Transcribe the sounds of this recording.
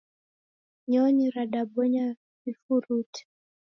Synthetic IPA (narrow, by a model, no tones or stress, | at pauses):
ɲɔɲiɾaɗaɓɔɲa | vifuɾuti̥